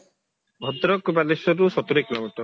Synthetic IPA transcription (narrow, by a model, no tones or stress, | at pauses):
bʱɔd̪ɾɔkbalisɔɾusɔt̪uɾiklɔɡʈɔ